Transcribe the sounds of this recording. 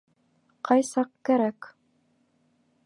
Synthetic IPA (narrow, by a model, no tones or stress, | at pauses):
qɑjsɑqkæɾæk